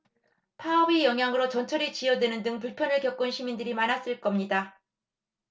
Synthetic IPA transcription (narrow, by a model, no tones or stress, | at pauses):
pʰaʌbijʌŋɦjaŋɯɾot͡ɕʌnt͡ɕʰʌɾit͡ɕijʌdwe̞nɯndɯŋpuɭpʰjʌnɯɭkjʌk͈̚unɕʰimindɯɾimanas͈ɯɭk͈ʌmɲida